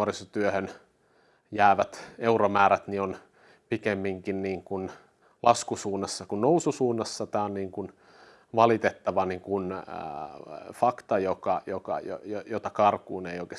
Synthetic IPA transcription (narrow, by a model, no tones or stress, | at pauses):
orisot̪yøhøn | jæːʋæt̪euɾomæːɾæt̪nion | pikemːiŋkinniːŋkun | lɑskusuːnːɑsːɑkunnoususuːnːɑsːɑt̪æːonniːŋkun | ʋɑlit̪et̪ːɑʋɑniŋkun | fɑkt̪ɑjokɑjokɑ̰jo̰jojot̪ɑkɑrkuːneioikes